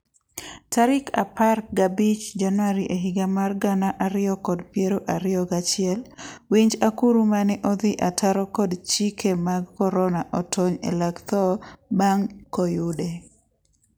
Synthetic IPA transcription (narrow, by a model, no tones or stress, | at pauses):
taɾɪkʰa̰park̚ɡabit͡ʃd͡ʒanwaɾiʔeɦiɡamarɡanaʔaɾɪjɔkɔdpjeɾoʔaɾɪɔɡat͡ʃɪɛlwiɲd͡ʒakuɾumanɪʔɔd̪ɪʔataɾɔkɔdt͡ʃikʰemaɡkɔɾɔnaʔɔtʰoɲḛlaɡt̪ɔbaŋkojude